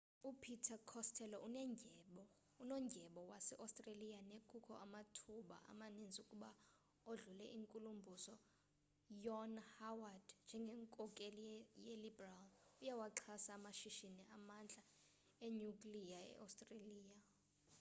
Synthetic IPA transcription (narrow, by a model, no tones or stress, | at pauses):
upʰitʰakʰɔstʰɛlɔʔunɛɓɔ | unɔŋɡʱɛɓɔwasɛʔastʼrelijanekʰʼukʰɔ̰ʔamatʰuɓa̰ʔa̰manind͡zʱiukʼuɓa | oɮulɛʔiŋkʼulumbʱusɔ | jɔnhawad̥nd͡ʒʱɛŋɡʱɛŋkʼɔkʼelijelibɛralujawaǁʰasaːmaʃiʃiniʔamand͡ɮʱʼa | eɲukʼlijaɛ̰ʔa̰wstʼreliːja